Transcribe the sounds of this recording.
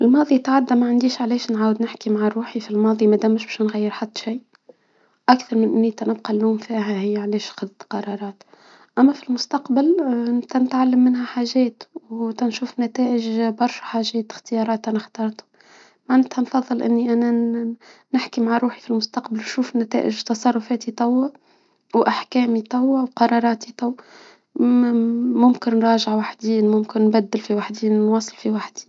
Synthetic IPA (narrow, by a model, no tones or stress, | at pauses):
ʔɪlmɑːðˤit̪ʕad̪ːæmæʕand̪iːʃʕlɛːʃnʕaːwəd̪nɪħkimaʕaɾˤuːħifilmɑːðˤimæd̪æmːɪʃbɛːʃnɣæjːəɾħat̪ːʃiː | ʔakθɑɾˤmɪnʔɪnːit̪ænɪbqɑlːuːmfiːɦæhɪjːæʕlɛːʃxɑd̪t̪qɑɾˤɑːɾˤɑːt̪ | ʔæmːæfilmʊst̪ɑqbalt̪ænɪt̪ʕalːəmːɪnɦæħaːʒɛːt̪wt̪ænʃuːfnæt̪ɛːʔɪʒbɑɾˤʃħaːʒɛːt̪xt̪əjɑːɾˤɑːt̪ʔænaxt̪ɑːɾˤt̪u̥ | maʕnɪt̪hænfɑðˤːɨlʔɪnːiʔænæ | nɪħkimaʕaɾˤuːħifilmʊst̪ɑqbalʃuːfnæt̪æ̰ːʔɪ̰ʒt̪ɑsˤɑrˤːʊfæːt̪it̪ˤɑwːa | wʔaħkɛːmit̪ˤɑwːawqɑɾˤɑːɾˤɑːt̪it̪ˤɑwː | mʊmkɪnːɾˤɑːʒəʕwaħd̪iːnmʊmkɪnːbæd̪ːɪlfiwaħd̪iːnnwɑːsˤɨlfiwaħd̪i̥